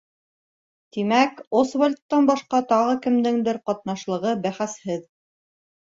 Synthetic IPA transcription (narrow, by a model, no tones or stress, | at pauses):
t̪imækosvolʲt̪ːɑnbɑʃqɑt̪ɑʁɤkɘ̆md̪ɘŋd̪ɘɾqɑt̪nɑʃlˠɤ̆ʁɤbæχæshɘð